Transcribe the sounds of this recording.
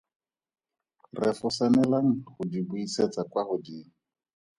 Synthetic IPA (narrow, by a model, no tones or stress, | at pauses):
rɛfɔsanɛlaŋ̩χʊdibuiset͡sakwaχʊdiːŋ̩